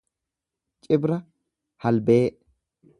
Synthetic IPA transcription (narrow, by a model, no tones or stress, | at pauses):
t͡ʃʼɪbɾɐ | hɐlbeːʔ